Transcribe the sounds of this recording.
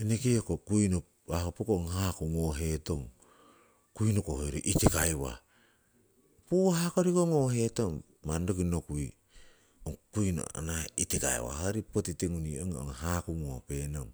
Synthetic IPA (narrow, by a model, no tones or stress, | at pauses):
enekiokokujno | ahopekooŋhakuŋoɦe̞to̞ŋ | kujnokohojɾiʔitikajwa̰ | puahakoɾikoŋoɦe̞to̞ŋː | andokinokui | oŋkujno̰a̰naitika̰ḛwa̰haɾipotiteŋunioŋo̰ŋhakuŋo̰pe̞noŋ